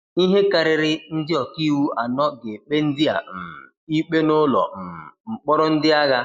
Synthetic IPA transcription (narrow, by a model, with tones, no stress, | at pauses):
i˦ɦe˦ka˨ɾɪ˨ɾɪ˦n̩˦dɪ˦ɔ˨ki˦wu˦ʔa˨nɔ˦ɡe˨k͡pe˦n̩˦dɪ˦a̰˨m̩˨i˦k͡pe˦no˦lɔ̰˨m̩˨ŋ͡m̩˨k͡pɔ˦ɾɔ˦n̩˦dɪ˦a˦ɣa˦